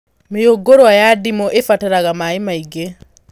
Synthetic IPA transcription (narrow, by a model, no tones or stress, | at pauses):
mejoɡoɾwajadimɔʔefataɾaɣamaemaiɡe